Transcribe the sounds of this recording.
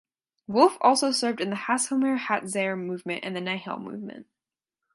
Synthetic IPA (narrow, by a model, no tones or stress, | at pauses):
wʊlˠfɔlˠsoʊsɜ˞vdɨ̃nðɨhæshə̃lˠmɛɹhætzeɪə˞mʉvmɨ̃nʔɨ̰̃nðɨnaɪhɛ̰lˠmʉ̰vmɨ̰̃nt̚